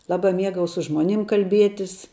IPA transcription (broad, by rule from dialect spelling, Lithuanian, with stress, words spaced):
ˈlˠɑːbɐ ˈmʲiɛɡɐʊ sʊ ˈʒmoːˌnʲɪm kɐlʲˈbʲiɛtʲɪs